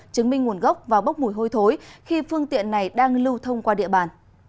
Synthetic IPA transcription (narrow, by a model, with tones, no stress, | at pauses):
t͡ɕɨ˨˦ŋmï˧ŋŋu˨˩ənɣə˦˥wk͡p̚vaː˨˩wɓə˦˥k͡p̚mu˧˩jɦo˧jt̪ʰo˨˦jxi˧fɨ˧əŋt̪ḭ˧˨ənːa˨˩jɗaː˧ŋlɨ˧wt̪ʰə˧wŋ͡mkwaː˧ɗḭ˧˨əɓaː˨˩n